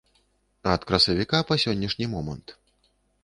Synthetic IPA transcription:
ɐt̪kɾɐsɐvʲikapɐsʲɔnʲːɐʂnʲimɔmɐnt̪

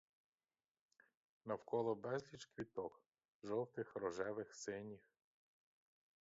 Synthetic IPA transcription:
nɐwkɔlˠɔbɛzlʲit͡ʃkʋʲit̪ɔk | ʒɔwt̪ɪxɾɔʒɛʋɪxsɪnʲix

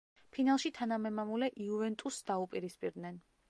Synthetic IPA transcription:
pʰinalˠʃit̪ʰanamɛmamulɛʔiuvɛnt̪ʼusd̪aupʼiɾispʼiɾd̪nɛn

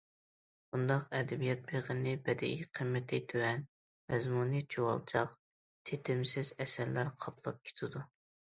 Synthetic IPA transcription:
bund̪ɑqɛd̪ɛbijɛt̪̚beʁənɪbɛd̪ɛ̰iqʰəmːɪt̪ʰɪt̪ʰøwɛn | mɛzmunit͡ʃʰowɑ̰lˠt͡ʃʰɑ̰q | t̪ʰet̪ʰɪmsɪzɛsɛɾlæɾqʰɑpʰlˠɑp̚kʲʰe̥t̪ʰɪd̪u

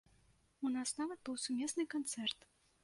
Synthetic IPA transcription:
unɑsnavət̪̚bɨlˠsʲumʲesnɨjkɔnt̪sɛrt̪

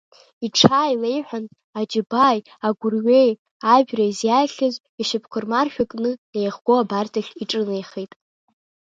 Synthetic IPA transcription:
iʈ͡ʂʰaːjle̞jħʷᶣan | ad͡ʒɪbaj | aɡʷʊrɥej | aʒᶣraizjaɬʲazʷ | aʃɪpʰkʷʰɨrmarʃᶣakʼnɨejχɡ̥ʷoabartʰaɬʲiʈ͡ʂʼɨnejχijtʼ

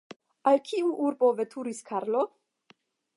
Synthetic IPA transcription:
alkʰiuʔuɾbo̞vetʰuɾiskʰaɾlo̞

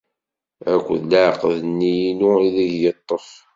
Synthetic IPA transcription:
ækʷːəðləʕqəðənːijinuiðiʝjət̪ˤːəf

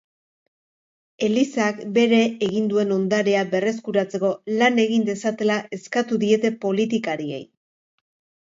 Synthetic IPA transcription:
e̞lisakbe̞ɾe̞ːɣind̪ue̞no̞nd̪aɾeaβe̞re̞skuɾat͡se̞ko̞lane̞ɣind̪e̞sat̪e̞laʔe̞skat̪uðie̞t̪e̞po̞lit̪ikaɾie̞̰j

